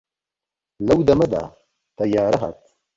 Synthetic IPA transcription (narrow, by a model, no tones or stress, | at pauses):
lɐwd̪ɐmɐd̪a̰ | t̪ɐjaːɾɐɦɐ̰t̪̚